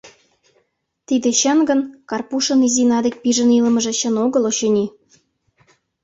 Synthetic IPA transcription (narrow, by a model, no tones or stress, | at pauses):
t̪id̪ĕɕɑnɡə̆nkɑrpuʃɤ̆nizinɑd̪ek̚piʒə̆nilə̆mə̆ʒĕɕə̆noɣɤ̆loɕɤnʲi